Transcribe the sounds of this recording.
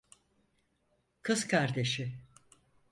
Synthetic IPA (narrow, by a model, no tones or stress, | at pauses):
kʰɯzkʰaɾd̪e̞ʃɪ